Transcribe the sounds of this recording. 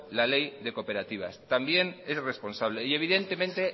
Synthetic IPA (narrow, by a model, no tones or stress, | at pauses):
lale̞jðe̞ko̞pe̞ɾat̪iβ̞a̰st̪ambje̞ne̞sre̞spo̞nsaβ̞le̞ie̞β̞iðe̞nt̪e̞mẽnt̪e